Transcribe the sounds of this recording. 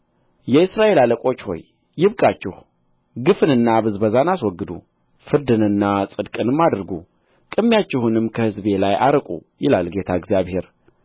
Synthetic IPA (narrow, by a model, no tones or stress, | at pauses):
jɛɨsɾaʔe̞laləkʼo̞t͡ʃːho̞̰jː | ɪβkʼat͡ʃːɪh | ɡɨfɨnɨnːabɨzbəzanaswɔɡːɨd̪ṵ | fɨɾd̪ɨnɨnːasʼɨd̪kʼɨnɨmːad̪ɾɡu | kʼɨmːjat͡ʃːɪhunɨmkʰəhɨzbe̞lajʔaɾkʼṵjɪlalɡe̞t̪ʰaɪɡzijaβhe̞ɾ